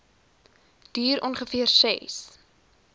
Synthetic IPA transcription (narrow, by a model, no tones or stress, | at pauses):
d̥yːɾɔnχəfiərsɛ̰s